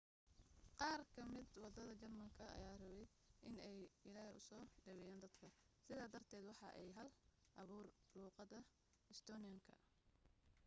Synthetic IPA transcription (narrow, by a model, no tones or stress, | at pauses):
qɑːrkʰɐmɪd̪wɑd̪ɐðɐt͡ʃɐrmɐŋkʰɐɐ̰jaːrɐβɛj | ʔɪnɛjɪlaːhɪʊsɔːɖɐβɛjaːnd̪ɐd̪kʰɐ | sɪðaːd̪ɐrt̪ʰɛːd̪wɑħɑ̰ʔɛjɦɐl | ʔɐβuːrluːqɑðɐ | ɪst̪ʰɔːnɪɐŋkʰɐ̰